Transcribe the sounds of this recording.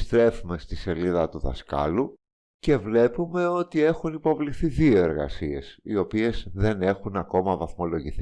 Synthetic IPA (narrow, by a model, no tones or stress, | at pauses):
st̪ɾe̞fume̞st̪ise̞liðɐt̪uðɐ̰skɐ̰lu | ce̞vle̞pume̞o̞t̪ie̞xunipo̞vliθiðio̞e̞ɾɣɐ̰sie̞sio̞pie̞zðe̞ne̞xunɐko̞mɐvɐθmo̞lo̞ʝiθi